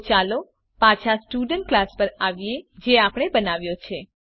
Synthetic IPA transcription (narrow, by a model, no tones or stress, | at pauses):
t͡ʃalo | pat͡ʃʰasʈuɖəɳʈ̚klaspəɾaʋjed͡ʒeapɽ̃ebənaʋjot͡ʃʰe